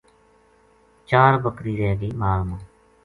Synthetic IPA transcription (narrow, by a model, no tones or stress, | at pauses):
t͡ʃaːɾbəkɾiːɾɛːɡiːmaːlmãː